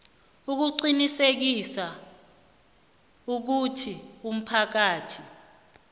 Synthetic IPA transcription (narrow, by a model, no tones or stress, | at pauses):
uk̬uǃinisek̬isa | uk̬utʰium̩pʰak̬aːtʰi